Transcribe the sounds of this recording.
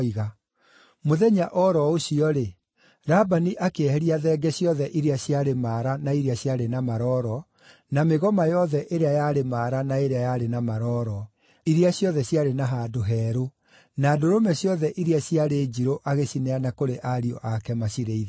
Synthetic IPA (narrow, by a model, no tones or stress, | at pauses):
iɣa | moðɛɲaʔɔɾɔoɕiɔɾe | ɾabaniʔakeɛhɛɾiaðɛːɡɛɕiɔðɛʔiɾiaɕiaɾemaːɾanaiɾeaɕjaɾenamaɾɔɾɔ | nameɣɔmajɔðɛʔeɾeajaɾemaːɾanaeɾeajaɾenamaɾɔɾɔ | iɾiaɕjɔðɛɕjaɾenaɦaːdoɦɛːɾo | naːdoɾomɛɕjɔðɛʔiɾiaɕiaɾeːd͡ʑiɾoʔaɣeɕinɛanakoɾeʔaɾiɔ̰ʔakɛmaɕiɾeið